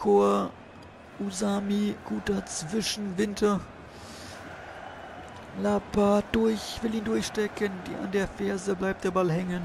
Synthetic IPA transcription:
kʰoːɐ | ʔuzaːmiɡ̥uːtɐt͡sv̥ɪʃn̩vɪntʰɐ | lapad̥ʊɐçv̥ɪliːndʊɐçʃtɛkʰəndḭːa̰ndeːɐfɛɐzəblaɪp̚t̚d̥eːɐbalhɛŋən

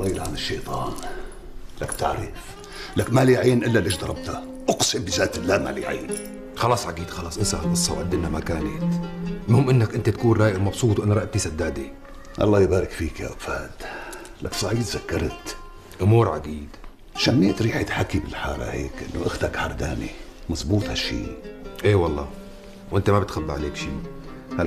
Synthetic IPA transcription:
ʔɑlːɑːjɪlʕanɪʃːejt̪ˤɑːn | lak̚t̪aʕɾɪf | lakmaliʕaːnʔɪlːalʔɪʃd̪ɑɾˤɑb̚t̪a | ʔʊqsˤɪmbɪzaːt̪ɪlːaːma̰lḭʕa̰ːni | xɑlɑːsˤʕaɡiːd̪xɑlɑːsˤʔɪnsaʔɨsˤːɑ̰wʕad̪ːɪnamakaːnat̪mahʊmʔɪnːakʔɪnt̪at̪akuːnɾˤɑːjɪlmɑbsˤuːt̪ˤwʔɪnːaɾˤɑʔt̪isad̪ːaːd̪i | ʔɑ̰lˤːɑːjbaːɾɪkfiːkja̰ʔafaːd̪ | laksˤɑʕiːd̪zakːɑɾˤt̪ | ʔʊmuːɾʕaɡiːd̪ | ʃamːiːt̪ɾiːħt̪ħakːibɪlħɑːɾa̰hḛːkʔɪnːoʔaxt̪akħɑɾˤd̪aːnḭmɑzˤbuːt̪ˤhaʃːḭːʔeːwɑlˤːɑ̰ː | wʔɪnt̪amabɪt̪xalːaʕaleːkʃiː | ha

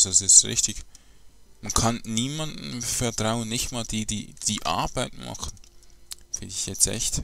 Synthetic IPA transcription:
zasɪstʁɪ̰çtɪç | mankʰanniːmandn̩fɛɐtʁ̥aʊənːɪçtmaːld̥iːdiːd̥iːʔa̰ɐb̥aɪtmɑ̰χn̩ | fɪ̰ndɪçjɛt͡sstʔɛ̰çt

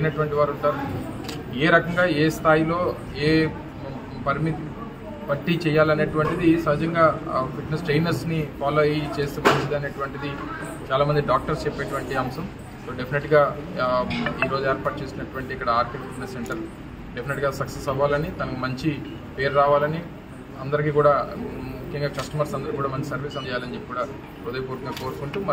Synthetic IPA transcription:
ɐjinɐʈuʋɐɳʈiʋaːɾuɳʈaːɾu | eːɾɐkɐŋɡaːeːst̪ʰaːjilo̞ː | eː | pɐɾmit̪ | pɐʈːit͡ʃɛːjːaːlɐneːʈuʋɐɳʈid̪isɐɦɐd͡ʒɐŋɡaːfiʈnesʈɾejnɐɾsnipaːloːt͡ʃe̞ːst̪eːmɐɲt͡ʃid̪ɐneːʈuʋɐɳʈid̪i | t͡ʃaːlaːmɐnd̪iɖaːk̚ʈɐɾst͡ʃɛpːeːʈuʋɐɳʈiɐmsɐm | so̞ːɖepʰineʈɡaː | iːɾo̞ːd͡ʒueːɾpaːʈ̚t͡ʃe̞ːsinːɐʈuʋɐɳʈiikːɐɽɐaːɾʈifiʈnesːeɳʈɐɾ | ɖepʰineʈɡaːsɐksesɐʋaːlɐnit̪ɐnɐkomɐɲt͡ʃi | pejɐɾɾaːʋaːlɐni | ɐnd̪ɐɾik̬iːkuːɽaːmukʰjɐŋɡaːkɐsʈɐmɐɾsɐnd̪ɐɾikːkːuːɽaːmɐɲt͡ʃi̥sɐɾʋiːsɐnd̪ɐjaːlɐnd͡ʒepːikuːɽaː | ɾud̪ɐjɐpoːɾkumɐkoːɾkuɳʈuːmɐ

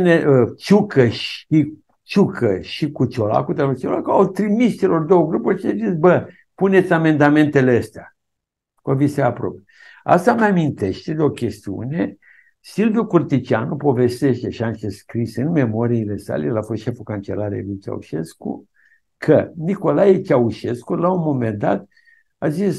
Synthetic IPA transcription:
neʔət͡ʃukʰəʃi | t͡ʃukʰəʃikut͡ʃo̞la̰kut̪elot͡ʃolakuawt̪ɾimist͡ʃe̞lo̞rd̪o̞wəɡɾupurʲʃiazisbə | pune̞t̪sʲame̞nd̪ame̞nt̪e̞leəst̪ea | kovisapɾo̰pje | a̰st̪ameamint̪e̞ʃt̪e̞d̪eo̞kʲe̞st̪iṵne̞ | silvijukurt̪it͡ʃianupo̞ve̞st̪e̞ʃt̪e̞ʃianʃeskɾisɨnme̞mo̞ɾiːle̞sa̰lejelafost̪ʃe̞fukant͡ʃe̞laɾḛlut͡ʃa̰ṵʃe̞̰skṵ | kʰəniko̞lajet͡ʃauʃe̞skulaunmo̞me̞nd̪a̰t̪ | azis

